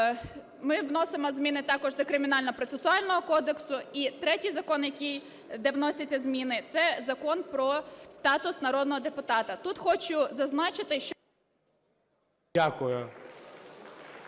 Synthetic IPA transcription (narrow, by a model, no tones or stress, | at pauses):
mɪʋnɔsɪmɔzmʲinɪt̪ɑkɔʒd̪ɔkɾɪmʲɪnɑlʲnɔpɾɔt̪sesʊɑlʲnɔɦɔkɔd̪eksʊit̪ɾɛtʲijzɐkɔnjɐkʲij | d̪ɛʋnɔsʲɐt͡sʲːɐzmʲinɪt̪sɛzɐkɔnpɾɔst̪ɑt̪ʊsnɐɾɔd̪nɔɦɔd̪epʊt̪ɑt̪ɐt̪ut̪xɔt͡ʃʊzɐznɑt͡ʃɪt̪ɪʃt͡ʃ | akʊjʊ